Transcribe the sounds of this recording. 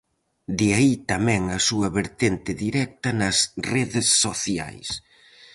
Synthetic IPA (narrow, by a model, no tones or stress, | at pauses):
d̪ɪait̪ɐmɛ̃ŋɐsuɐβeɾt̪ent̪ɪðiɾɛk̚t̪ɐnɐsreðɪsːoθja̰js